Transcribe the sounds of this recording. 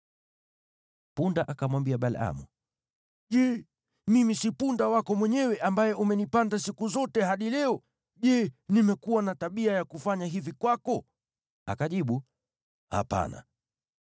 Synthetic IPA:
pundaʔakamwambiaɓala̰mu | ʄɛ | mimisipundawakɔmwɛɲɛwɛʔambajɛʔumɛnipandasikuzɔtɛɦaɗilɛɔ | ʄɛnimɛkuwanataɓiajakufaɲaɦivikwakɔ | a̰kaʄiɓu | ha̰pa̰na̰

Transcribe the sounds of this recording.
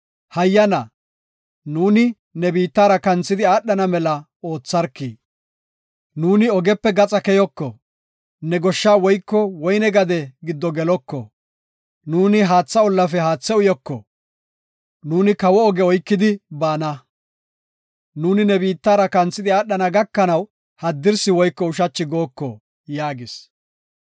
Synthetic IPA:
hɐjːɐnɐ | nuːnɪ | nɛbiːt̪ːaːɾɐkɐnt͡sːɪd̪ɪaːɗːɐnɐmɛlɐ | o̞ːt͡sːɐɾkːiː | nuːnɪɔɡɛpːɛɡɐt͡sʼɐkɛjɔkːɔ | nɛɡɔʃːaːwɔjkːɔwɔjnɛɡɐd̪ɛɡɪd̪ːɔɡɛlɔkːɔ̰ | nuːnɪɦaːt͡sːɐɔlːɐfɛɦaːt͡sːɛʊjɔkːɔ̰ | nuːnɪkɐwɔɔɡɛɔjkːɪd̪ɪbaːnɐ | nuːnɪnɛbiːt̪ːaːɾɐkɐnt͡sːɪd̪ɪaːɗːɐnɐɡɐkːɐnɐw | hɐd̪ːɪɾsɪwɔjkːɔʊʃɐt͡ʃːɪɡo̞ːkːɔ | jaːɡɪs

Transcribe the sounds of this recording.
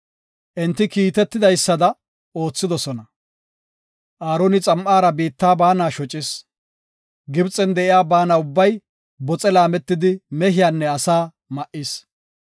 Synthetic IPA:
ʔɛnt̪ːɪkiːt̪ɛt̪ːɪd̪ɐjsːɐd̪ɐ | o̞ːt͡sːɪd̪ɔsɔnɐ | ʔaːɾonɪt͡sʼɐmʔaːɾɐbiːt̪ːaːbaːnaːʃɔt͡ʃʼɪs | ɡɪbt͡sʼɛnd̪ɛʔɪjaːbaːnaʊbːɐj | bɔt͡sʼɛlaːmɛt̪ːɪd̪ɪmɛɦɪjaːnːɛɐsaː | mɐʔɪs

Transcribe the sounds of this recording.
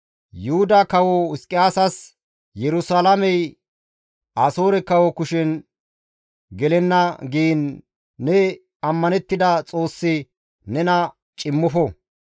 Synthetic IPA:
jʊhʊd̪akɐwɔɪskʼɪjaːsɐs | jɛɾʊsalɐmɛj | aːso̞ːɾɛkɐwɔkʊʃɪn | ɡɛlɛnːɐɡiːnː | ɛ | ɐmːɐnɛt̪ːɪd̪ɐt͡sʼo̞ːsːɪ | nɛnɐ | t͡ʃʼɪmːɔfɔ

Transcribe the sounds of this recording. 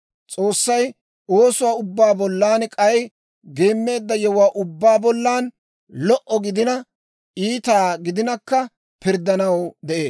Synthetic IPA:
t͡sʼo̞ːsːɐj | o̞ːsʊwaːʊbːaːbɔlːaːnkʼɐj | ɡeːmːe̞ːd̪ːɐjɛwwaːʔʊbːaːbɔlːaːn | lɔʔɔɡɪd̪ɪnɐ | iːt̪aːɡɪd̪ɪnɐkːɐ | pɪɾd̪ɐnɐwd̪ɛʔe̞ː

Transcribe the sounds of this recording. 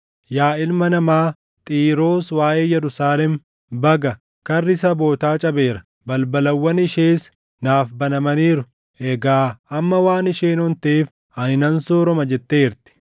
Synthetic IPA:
jaːɪlmɐnɐmaː | t̪ʼiːɾo̞ːswaːʔeːjɛɾʊsaːlɛm | bɐɡɐ | kɐrːɪsɐbo̞ːt̪aːt͡ʃʼɐbe̞ːɾɐ | bɐlbɐlɐwːɐnɪʃeːs | naːfbɐnɐmɐniːɾʊ | ʔɛɡaːɐmːɐwaːnɪʃeːnɔnt̪eːf | ɐnɪnɐnsoːɾɔmɐd͡ʒɛt̪ːeːɪɾt̪ɪ̥

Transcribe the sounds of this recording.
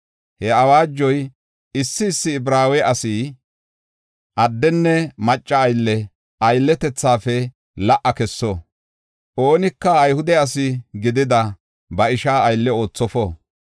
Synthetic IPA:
hɛɐwaːd͡ʒːɔj | ɪsːɪɪsːɪːbɾaːwɛʔɐsiː | ʔɐd̪ːɛnːɛmɐt͡ʃʼːɐɐjlːɛ | ʔɐjlːɛt̪ɛt͡sːaːfɛ | lɐʔɐkɛsːo | ʔoːnɪkːɐːjhʊd̪ɛɐs̬ɪɡɪd̪ɪd̪ɐ | bɐɪʃaːɐjlːɛo̞ːt͡sːɔfo

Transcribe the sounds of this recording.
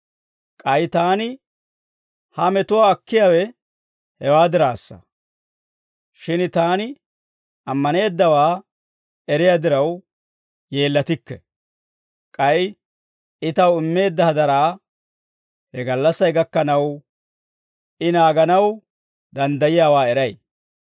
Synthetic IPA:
kʼɐjt̪aːnɪ | hɐmɛt̪ʊwaːkːɪjaːwɛ | hɛwaːd̪ɪɾa̰ːsːɐ̰ | ʃɪnt̪aːnɪ | ɐmːɐne̞ːd̪ːɐwaː | ɛɾɪjaːd̪ɪɾɐw | je̞ːlːɐt̪ɪkːɛ̰ | kʼɐj | ɪt̪ɐwɪmːe̞ːd̪ːɐhɐd̪ɐɾaː | hɛɡɐlːɐsːɐjɡɐkːɐnɐw | ɪnaːɡɐnɐw | d̪ɐnd̪ɐjɪjaːwaːɛɾɐj

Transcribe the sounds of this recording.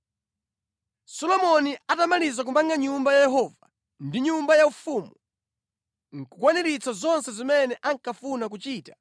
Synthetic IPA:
sɔlɔmɔniatamalizak̬umaŋɡaɲumbajajɛɦɔva | ndiɲumbajaufuːmu | ŋ̩kukwanɛɾit͡sazɔnsɛzimɛnɛʔaŋkafunak̬ut͡ʃiːtḁ

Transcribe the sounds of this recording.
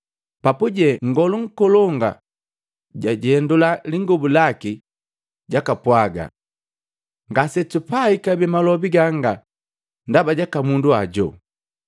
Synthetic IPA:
papuɟɛŋ̩ɡɔluŋ̩kɔlɔŋɡa̰ | ɟaɟɛndulaliŋɡɔbulaki | ɟakapwaɡa̰ | ŋɡasɛtupaikabɛmalɔbiɡaŋɡa | ndabaɟakamunduaɟɔ̰

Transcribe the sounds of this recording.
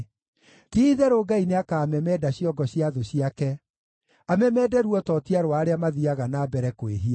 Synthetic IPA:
tiiðɛɾoɡaineakaːmɛmɛdaɕiɔɡɔɕiaðoɕiakɛ | amɛmɛːdɛɾuɔtɔtiaɾowaːɾeamaðiaɣanaːbɛɾɛkoeɦia

